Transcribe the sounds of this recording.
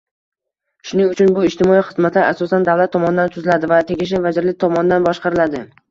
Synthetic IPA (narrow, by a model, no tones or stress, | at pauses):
ʃʊnɪŋʊt͡ʃʰʊnbʊɪʃt̪ɪmɒiχɨzmat̪laʔasɒsand̪avlat̪ʰːɒmɒnɪd̪ant̪ʰʊzɪlad̪ɪvat̪ʰeɡʲɪʃ̬ɪvad͡ʒɪɾlɪk̚ʲt̪ʰɒmɒnɪd̪anbɒʃqɑɾɪlad̪ɪ